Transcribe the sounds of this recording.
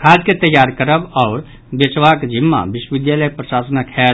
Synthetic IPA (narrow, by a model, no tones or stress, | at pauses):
kʰad͡ʒket̪əjaɾkəɾəbaʊɾ | bet͡ʃʋakd͡ʒʱimːa̰biʃwəʋid̪jaləjpɾəsasnakʰɛ